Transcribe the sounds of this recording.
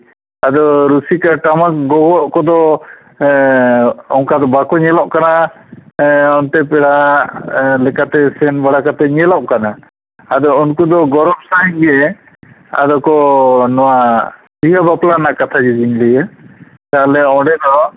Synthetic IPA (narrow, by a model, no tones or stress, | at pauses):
ad̪ɔɾusikaʈamak̚ɡɔɡɔʔkɔd̪ɔ | ɔŋkad̪ɔbakɔɲɛlɔʔkana | ɔnt̪ɛpɛɽa | lɛkat̪ɛsɛnbaɽakat̪ɛɲɛlɔʔ̚kanaː | d̪ɔunkud̪ɔɡɔɾɔmsaɦiɲɡɛ | a̰d̪ɔkɔnɔwa | biɦabaplanakat̪ʰad͡ʒɛd͡ʒinlɛja | t̪alɛɔ̃ɖɛd̪ɔ